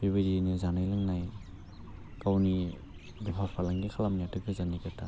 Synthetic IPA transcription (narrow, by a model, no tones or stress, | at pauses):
biβidinɯzanajlɯŋnaj | kawni | dipʰaspʰalaŋɡikʰalamnijatɯɡɯzanikata